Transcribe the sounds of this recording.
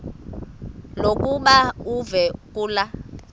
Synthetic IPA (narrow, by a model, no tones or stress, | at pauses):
lokuɓauvɛkula